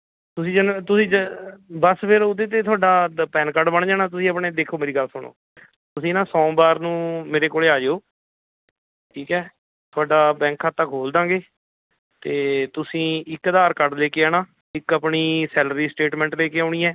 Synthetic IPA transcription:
t̪ʊsĩːd͡ʒənt̪ʊsĩːd͡ʒbəspeːɾʊd̪eːt̪̬eːt̪ʰʊaːɖaːpɛːnkəɾɖbəɳd͡ʒaːnaːt̪̬ʊsĩːəpɳeːd̪eːkʰːoːmeːɾiːɡəlsʊɳ̃o̰ː | t̪ʊsĩːnãːsɔ̃ːbaːɾnũːmeːɾeːkoːleːaːd͡ʒeoː | ʈʰiːkɛː | t̪ʰoaːɖaːbɛ̃ːŋkʰːaːt̪akɦoːld̪ãːɡeː | t̪eːt̪ʊsĩːɪkːd̪aːɾkəɾɖleːkeːaːnaː | ɪkəpɳiːsɛːlɾiːsʈeːʈmɛ̃ːɳʈleːkeːaːɳ̃iːɛː

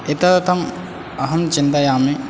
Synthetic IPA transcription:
et̪at̪ʰɐm | ɐɦɐnt͡ʃint̪ajamni

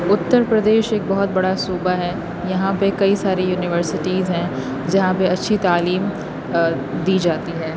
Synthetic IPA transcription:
ʊt̪ːəɾpɾɐd̪eːʃeːk̚bɐɦɔt̪̚bɐɽasuːbaɦɛ | jɐɦãpekɐisaːɾejuːnɪʋəɾsɪʈiːzɦɛ̃ | d͡ʒɐɦãpeɐtːʃʰit̪aːliːm | d̪iːd͡ʒaːt̪iɦɛː

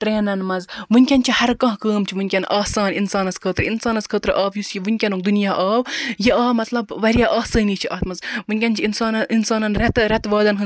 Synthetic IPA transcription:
ʈɾeːnɐnmɐzʋɨnʲkʲɐnt͡ʃʰihɐɾkɐ̃ɦkəːmt͡ʃʰiʋɨnʲkʲɐnʔaːsaːninsaːnɐskʰəːt̪ɾinsaːnɐskʰəːt̪ɾɨʔaːʋjusjiʋɨnʲkʲɐnoːk̚d̪unjaːʔaːwjiaːmɐt̪lɐbʋɐɾjaːʔaːsəːniːt͡ʃʰiʔɐt̪mɐzʋɨnʲkʲɐnt͡ʃʰiinsaːninsaːnɐnɾɐt̪ɾɐt̪ʋaːd̪ɐnɦɨ

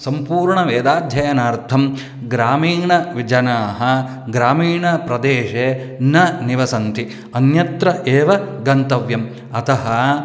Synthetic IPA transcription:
sɐmpuːɾɳɐʋeːd̪aːd̪ʱjɐjɐnaːɾt̪ʰɐm | ɡɾaːmiːɳɐʋid͡ʒɐnaːɦɐ̆ | ɡɾaːmiːɳɐpɾɐd̪eːʃeː | nɐniʋɐsɐnt̪i | ɐnjɐt̪ɾɐʔeːʋɐɡɐnt̪ɐʋjɐm | ɐt̪ɐɦɐ̆

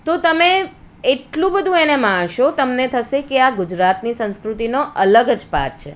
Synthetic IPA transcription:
t̪ot̪əme | eʈlũbəd̪ʱũenemãɳʃot̪əmnet̪ʰəʃekeaɡʊd͡ʒɾat̪nisə̃nskɾut̪inoələɡəd͡ʒpa̰t̚t͡ʃʰe

